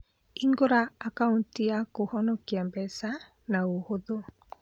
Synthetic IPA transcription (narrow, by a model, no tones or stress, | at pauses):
iŋɡoɾaːkauntiakohɔnokiambɛsa | naohoðo